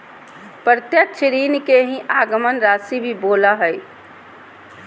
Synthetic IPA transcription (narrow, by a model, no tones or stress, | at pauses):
pɾət̪jəkt͡ʃʰɾiːnkeɦĩʔaːɡəmənɾasibʱiboːlaɦəj